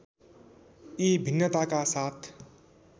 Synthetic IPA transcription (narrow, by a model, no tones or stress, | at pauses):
ibʱinːət̪akasat̪ʰ